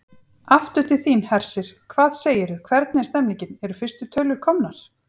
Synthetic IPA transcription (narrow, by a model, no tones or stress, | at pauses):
aft̪ʏt̪ʰɪθiːnhɛɾ̥sɪɾ̥kʰvaːðseːjɪɾʏkʰvɛɾt̪nɛst̪ɛmniɲcɪnɛɾʏfɪ̥st̪ʏt̪ʰœɥlʏɾ̥kʰɔmnaɾ̥